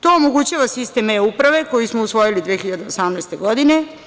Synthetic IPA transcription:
t̪o̞omoɡut͡ɕaʋasist̪emeupɾaʋe̞ko̞jismousʋo̞jilid̪ʋexiʎad̪eosamnajst̪e̞ɡo̞d̪ine̞

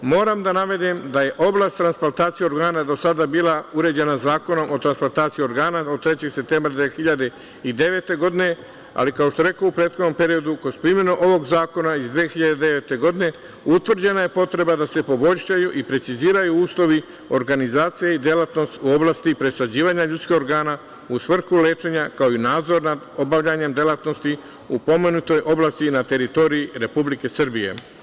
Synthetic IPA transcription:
mo̞ːɾamd̪anaʋe̞d̪imd̪aje̞ʔo̞blˠast̪ːɾansplant̪aːt̪sijeo̞ɾɡaːnad̪o̞sad̪abiːlauɾe̞d͡ʑe̞nazaːko̞no̞mʔo̞t̪ɾansplant̪aːt̪sijio̞ɾɡaːnaot̪ɾe̞t͡ɕe̞ɡse̞p̚t̪e̞ːmbɾad̪ʋiexiʎad̪e̞ | id̪e̞ʋe̞t̪e̞ɡo̞d̪ine̞ | a̰likaoʃt̪oɾe̞kaupɾe̞ːt̪xod̪no̞mpe̞ɾio̞d̪ukospɾimje̞nuʔo̞ʋo̞ɡzaːko̞naizd̪ʋeːxiʎad̪ed̪e̞ʋe̞t̪e̞ɡo̞d̪ine̞ | ut̪ʋr̩d͡ʑe̞naje̞po̞t̪ɾe̞bad̪ase̞po̞bo̞ʎʲʃajuʔipɾe̞t̪siziːɾajuuːslˠo̞ʋi | o̞ɾɡanizaːt̪sijeid̪jelat̪no̞st̪uo̞blaːst̪ipɾe̞sad͡ʑiːʋaɲaʎut̪skihoɾɡaːna | usʋr̩xule̞ːt͡ʃe̞ɲakao̞inaːd̪zo̞ɾnad̪o̞baʋʎaɲe̞md̪jelˠat̪no̞st̪i | upo̞menut̪o̞jʔo̞blˠaːst̪inat̪e̞ɾit̪o̞ɾiiɾe̞publike̞sɨr̩bije̞̰

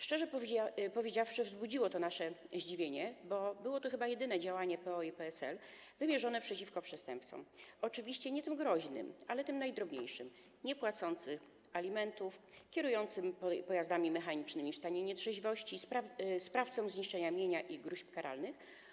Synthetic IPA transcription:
ʂt͡ʂɛʐɛpɔvʲjed͡ʑafʂɘvzbud͡ʑiwɔt̪ɔnaʂɛʑd͡ʑivʲjeɲɛbɔbɘwɔt̪ɔxɘbajɛd̪ɘnɛd͡ʑawaɲɛpɛɔipɛɛsɛ̰l | vɘmʲjɛʐɔnɛpʂɛt͡ɕifkɔpʂɛst̪ɛmpt̪sɔ̰mɔt͡ʂɘvʲiɕt͡ɕɛɲɛt̪ɘmɡɾɔʑnɘ̰malɛt̪ɘmnajd̪ɾɔbɲḛjʂɘm | ɲɛpwat̪sɔnt̪sɘx | alʲimɛnt̪ufkʲɛɾujɔnt̪sɘmpɔjazd̪amʲimɛxaɲit͡ʂnɘmʲifst̪aɲɛɲɛt̪ʂɛʑivɔɕt͡ɕispaspɾaft̪sɔ̃mzɲiʂt͡ʂɛɲamʲjeɲaʔiɡɾuɕpkaɾa̰lnɘx

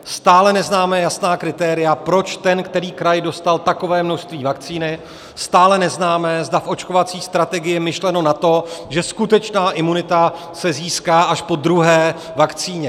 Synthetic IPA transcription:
st̪aːlɛnɛznaːmɛːjasnaːkɾɪt̪ɛːɾɪjapɾo̞t͡ʃt̪ɛnkt̪ɛɾiːkɾajdo̞st̪alt̪ako̞vɛːmno̞ʃst̪viːvakt͡siːnɪ | st̪aːlɛnɛznaːmɛːzdafʔo̞t͡ʃko̞vat͡siːst̪ɾat̪ɛɡɪjɛmɪʃlɛno̞nat̪o̞ʒɛskut̪ɛt͡ʃnaːʔɪmunɪt̪a | sɛziːskaːʔaʃpo̞d̪ɾuɦɛː | vakt͡siːɲɛ

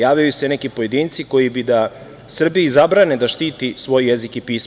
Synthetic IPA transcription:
jaːvʎajuse̞nekipo̞je̞d̪iːnt̪siko̞jibid̪a | sr̩bijaizabɾaned̪aʃt̪iːt̪isʋo̞jjezikipiːs

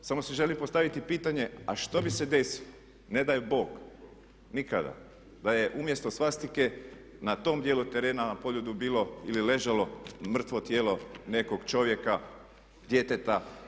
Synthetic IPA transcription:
samosiʒe̞limpo̞st̪aʋit̪ipiːt̪aɲe̞aʃt̪o̞bise̞d̪e̞silo | ne̞d̪ajubo̞ːɡ | nikad̪a̰ | d̪aje̞ʔumjest̪o̞sʋast̪ike̞ | nat̪o̞ːmd̪je̞ːlut̪e̞ɾe̞ːnanapo̞ʎud̪ubiːlo̞ilile̞ʒalo̞mr̩t̪ʋo̞t̪jeːlo̞ne̞ko̞ɡt͡ʃo̞ʋje̞ka | d̪je̞t̪et̪a

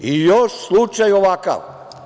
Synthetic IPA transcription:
ijoʃslut͡ʃajoʋaka̰ʋ

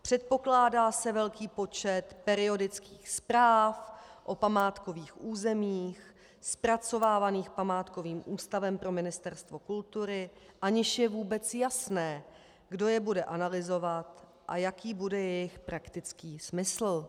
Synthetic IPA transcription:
pr̥ɛt̪̚po̞klaːdaːsɛvɛlkiːpo̞t͡ʃɛt̪pɛɾɪo̞dɪt͡skiːxspɾaːfʔo̞pamaːt̪ko̞viːxʔuːzɛmiːx | spɾat͡so̞vaːvaniːxpamaːt̪ko̞viːmʔuːst̪avɛmpɾo̞mɪnɪst̪ɛɾst̪vo̞kult̪uɾɪʔaɲɪʃjɛvuːbɛt͡sjasnɛː | ɡdo̞jɛbudɛʔanalɪzo̞vat̪ | ʔa̰jakiːbudɛjɛjɪxpɾakt̪ɪt͡skiːsmɪsl̩

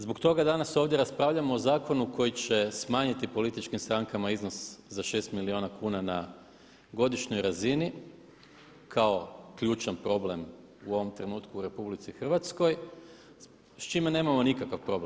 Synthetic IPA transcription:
zbokt̪o̞ɡad̪anaso̞ːʋd̪ʲje̞ɾaspɾaːʋʎʲamo̞ːzaːko̞nukʰo̞jit͡ɕe̞smaːɲit̪ipo̞lit̪it͡ʃkimst̪ɾaŋkamaizno̞szaʃe̞st̪milio̞ːnakuːnana | ɡo̞d̪iʃɲo̞jɾazini | kʰao̞kʎuːt͡ʃanpɾo̞ble̞m | uo̞ʋo̞mt̪ɾe̞nuːt̪kuːɾe̞publit̪sixr̩ʋat̪sko̞j | st͡ʃimene̞ːmamo̞nikakaʋpɾo̞bl

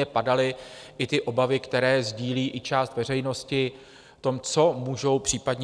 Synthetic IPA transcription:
ɛpadalɪʔɪt̪ɪʔo̞bavɪkt̪ɛɾɛːzɟiːliːʔɪt͡ʃaːst̪vɛr̝ɛjno̞scɪ | t̪o̞mt͡so̞muːʒo̞wpr̝̥iːpadɲ

